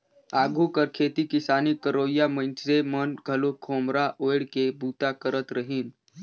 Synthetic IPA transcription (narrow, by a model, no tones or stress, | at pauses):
aːɡʱukəɾkʰeːt̪ikɪsaːnikəɾoːjamə̃t͡ʃsemənɡʱəlokʰoːmɾaʔoːɪɽkebuːt̪akəɾət̪ɾəɦiːn